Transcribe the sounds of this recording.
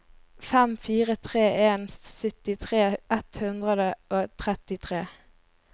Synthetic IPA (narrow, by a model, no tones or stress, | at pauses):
fɛmfiːʁət̪ʰʁeːeːnst̪sʏt̪ɪt̪ʰʁeːʔɛt̪hʉnd̪ʁəd̪əʔoːt̪ʰʁɛt̪ɪt̪ʰʁeː